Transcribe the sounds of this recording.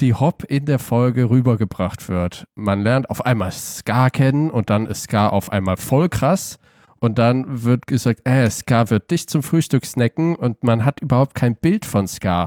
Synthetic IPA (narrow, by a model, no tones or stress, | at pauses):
d̥iːhɔpʰʔɪndeːɐfɔlɡəʁyːbɐɡəbʁaχtv̥ɪɐtmanlɛɐntaʊfʔa̰ɪnmaːlsskaːkʰɛnənʊnt̚d̥anɪ̰stskaːʔa̰ʊfʔa̰ɪnmaːlfɔlkʁ̥as | ʔʊnt̚d̥anvɪɐtɡ̥əzaːk̚tʔɛskaːvɪɐt̚d̥ɪçt͡sʊmfʁ̥yːʃtʏksnɛkŋ̩ʔʊntmanɦatʔyːbɐhaʊp̚t̚kʰaɪnb̥ɪltfɔnska̰ː